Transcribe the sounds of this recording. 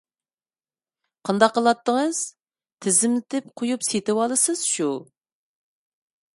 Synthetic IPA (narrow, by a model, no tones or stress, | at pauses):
qʰɑnd̪ɑqːəlˠɑt̪ːəŋəz̥ | t̪ʰɪzɪmlɪt̪ʰɪp̚qʰojupset̪ɪwɑlˠɨsɨz̥ʃu